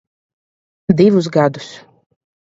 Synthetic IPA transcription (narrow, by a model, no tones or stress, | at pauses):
d̪ivus̬ɡad̪u̥s